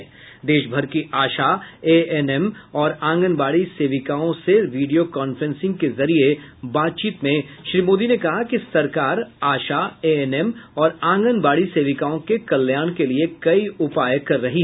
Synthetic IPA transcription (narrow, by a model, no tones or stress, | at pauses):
d̪eːʃbʱɐɾkiʔaːʃaeɛnɛmɔːɾãːŋɡənbaːɽiseːʋɪkaõseʋiːɖijokaːnfɾɛ̃nsɪ̃ŋɡ̚kezɐɾiebaːt̪̚t͡ʃiːt̪mẽʃɾiːmoːd̪inekɐɦakisɐɾkaːɾaːʃaeɛnɛmɔːɾãːŋɡənbaːɽiseːʋɪkaõkekɐljaːɽ̃keliekɐiʊpaːjkɐɾːɐɦiɦ